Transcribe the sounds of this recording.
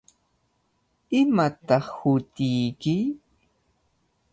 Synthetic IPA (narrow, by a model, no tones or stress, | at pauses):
ɪmat̪ɑχhʊt̪ɪjkɪj